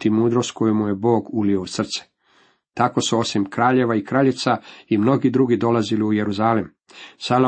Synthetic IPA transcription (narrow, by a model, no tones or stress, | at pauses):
t̪imuːd̪ɾo̞st̪ko̞jumuje̞bo̞ːɡulioud̪sr̩t̪se̥ | t̪ako̞suo̞simkɾaːʎe̞ʋaikɾaːʎit̪saimno̞ɡid̪ɾuɡid̪o̞laziliujeɾuzaːlim | salo